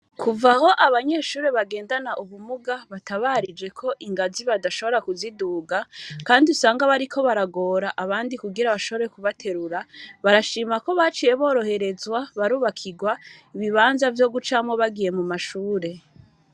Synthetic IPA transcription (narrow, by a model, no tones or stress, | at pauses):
kʰuvaho̞ʔaβaɲe̞ːʃuːɾeβaɡe̞ːndanaʔuβumuɡaβataβaːɾid͡ʒe̞kʰo̞ʔiŋɡaziβadaʃo̞βo̞ɾakuziduːɡakaːndiusaːŋɡaβaɾikʰo̞βaɾaɡo̞ːɾaʔaβaːndikuɡiɾaβaʃo̞βo̞ɾe̞kuβatʰe̞ɾuɾaβaɾaʃiːmako̞βaːt͡ʃije̞βo̞ːɾo̞he̞ɾe̞zwaβaɾuːβakʰiɡwaiβiβaːnzavjo̞ɡut͡ʃamho̞βaɡije̞mumaʃuːɾe̞